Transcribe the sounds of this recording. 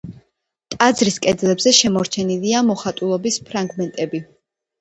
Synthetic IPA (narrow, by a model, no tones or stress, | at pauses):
t̪ʼad̪zɾiskʼɛd̪zlɛbzɛʃɛmɔɾt͡ʃʰɛniliamɔχat̪ʼulˠɔbispʰɾaŋɡmɛnt̪ʼɛbi